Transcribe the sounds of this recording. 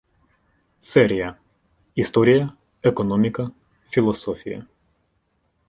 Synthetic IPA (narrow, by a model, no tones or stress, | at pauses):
seɾija | ist̪o̞ɾija | eko̞nomikə | filo̞sofijḛ